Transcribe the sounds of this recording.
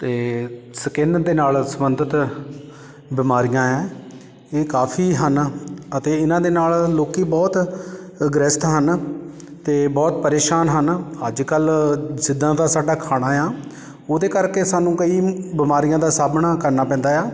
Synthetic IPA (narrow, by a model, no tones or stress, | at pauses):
t̪eːsəkend̪eːnaːlsəmənd̪ət̪ | bɪmaːɾijãːɛ̃ː | eːkaːpʰiːɦənət̪eːɪnãːd̪eːnaːlloːkiːbɔːt̪ | ɡɾɪst̪ɦən | t̪eːbɔːt̪pəɾeːʃaːnɦənəd͡ʒkəlsɪd̪ːãːd̪aːsaːɖaːkʰaːɽ̃aːjãː | oːd̪eːkəɾkeːsaːnũːkəiːbɪmaːɾijãːd̪aːsaːbnaːkəɾnaːpɛ̃ːnd̪aːjaː